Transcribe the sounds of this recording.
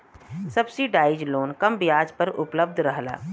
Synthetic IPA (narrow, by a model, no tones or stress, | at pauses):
sɐbsiɖaːɪd͡ʒloːnkɐmbɪjaːd͡ʒpəɾʊpləb̚d̪ʱɾəɦla̰ː